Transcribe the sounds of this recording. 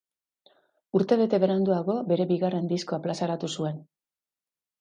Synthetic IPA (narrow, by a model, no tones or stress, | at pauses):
uɾt̪e̞βe̞t̪e̞βe̞ɾand̪uaɣo̞be̞ɾe̞βiɣare̞nd̪isko̞aplasaɾat̪usue̞n